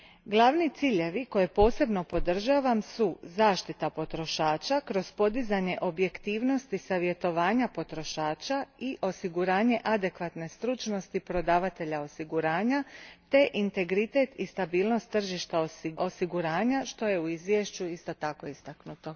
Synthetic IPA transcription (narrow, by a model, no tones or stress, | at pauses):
ɡlˠaʋnit̪siːʎe̞ʋiko̞je̞po̞ːse̞bno̞po̞d̪r̩ʒaːʋamsuzaːʃt̪it̪apo̞t̪ɾo̞ʃaːt͡ʃakɾo̞z̥po̞d̪izaɲe̞ʔo̞bje̞kt̪iːʋno̞st̪isaʋje̞t̪o̞ʋaːɲapo̞t̪ɾo̞ʃaːt͡ʃaiʔo̞siɡuɾaːɲe̞ʔad̪e̞kʋat̪ne̞st̪ɾut͡ʃno̞st̪ipɾo̞d̪aːʋat̪e̞ʎao̞siɡuɾaːɲat̪e̞ʔint̪e̞ɡɾit̪e̞t̪ist̪abiːlˠno̞st̪ːr̩ʒiʃt̪aosio̞siɡuɾaːɲaʃt̪o̞je̞uizʋjeʃt͡ɕuist̪o̞t̪ako̞ist̪aknut̪o̞